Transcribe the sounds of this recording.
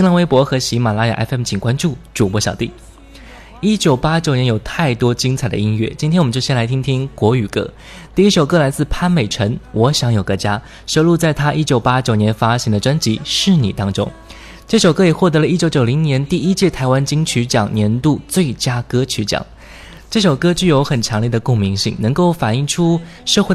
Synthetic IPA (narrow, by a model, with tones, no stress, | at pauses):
ɕi˥ŋla˧˥ŋwe˧˥pwɔ˧˥xɤ˧˥ɕi˧˥ma˨˩la˥ja̰˨˩ʔɛ̰˥ɛ˥˩mt͡ɕʰi˨˩kwa˥nʈ͡ʂu˥˩ʈ͡ʂu˨˩pwɔ˧˥ɕjɑ˨˩ʊt̪ḭ˥˩ | i˥t͡ɕjo˨˩ʊpa˥t͡ɕjo˨˩ʊnɛ˧˥jo˨˩ʊt̪ʰa˥˩ɪt̪wɔ˥t͡ɕi˥ŋt͡sʰa˨˩ɪd̪ə̰˧i˧˥nɥɛ̰˥˩t͡ɕi˥nt̪ʰjwt͡ɕjɕjɛ˥nla˧˥ɪt̪ʰi˥ŋt̪ʰi˥ŋkwɔ˧˥y˨˩kɤ̰˥˩ | t̪i˥˩i˥ʂo˨˩ʊkɤ˥˩la˧˥ɪt͡sɹ̩˥˩pʰa˥˩nme˨˩ɪʈ͡ʂʰə˧˥nwɔ˧˥ɕjɑ˧˥ŋjo˨˩ʊkɤ˧˥t͡ɕja˥ | ʂo˥˧ʊlu˥˧t͡sa˥˩ɪt̪ʰa˥ʔi˥t͡ɕjo˨˩ʊpa˥t͡ɕjo˨˩ʊnjɛ˧˥nfa˥ɕɛ˧˥ŋd̪ə˨ʈ͡ʂwa˥nt͡ɕi˧˥ʂɻ̩˥˩nḭ˨˩t̪ɑ˥ŋʈ͡ʂʊ̰˥ŋ | ʈ͡ʂɤ˥˩ʂo˨˩ʊkɤ˥jɛ˨˩xwɔ˥˩t̪ɤ˧˥lə˧i˥t͡ɕjo˧˥t͡ɕjo˨˩ʊli˧˥ŋnjɛ˧˥nt̪i˥˩i˥t͡ɕjɛ˥˩t̪ʰa˧˥ɪwa˦nt͡ɕi˥ŋt͡ɕʰy˧˥t͡ɕjɑ˨˩ŋnjɛ˧˥nt̪u˥˧t͡swe˥˩ɪt͡ɕja˥kɤ˥t͡ɕʰy˧˥t͡ɕjɑ̰˨˩˦ŋ | ʈ͡ʂɤ˥˩ʂo˨˩ʊkɤ˥t͡ɕy˥˩jo˧˥ʊxə˨˩nʈ͡ʂʰɑ˧˥ŋli˥˩d̪ə˩kʊ˥˩ŋmi˧˥ŋɕḭ˥˩ŋnə˧˥ŋko˥˩ʊfa˨˩ni˥˩ŋʈ͡ʂʰu˥ | ʂɤ˥˧xwe˥˩